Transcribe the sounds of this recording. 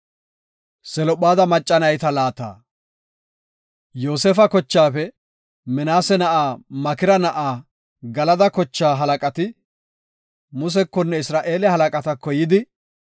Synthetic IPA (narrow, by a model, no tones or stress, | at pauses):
sɛlɔpːaːd̪ɐmɐt͡ʃʼːɐnɐjt̪ɐlaːt̪a̰ː | jo̞ːsefɐkɔt͡ʃːaːfɛ | mɛnaːsɛnɐʔaːmɐkɪɾɐnɐʔaː | ɡɐlɐd̪ɐkɔt͡ʃːaːɦɐlɐkʼɐt̪ɪ | mʊs̬ɛkːɔnːɛɪsɾaːʔe̞ːlɛhɐlɐkʼɐt̪ɐkːɔjɪd̪ɪ